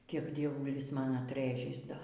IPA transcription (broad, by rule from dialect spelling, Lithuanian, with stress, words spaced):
ˈkʲiɛk dʲiɛˈʋʊlʲɪs ˈmɐn ɐtˈrɘʒʲɪs ˈdoː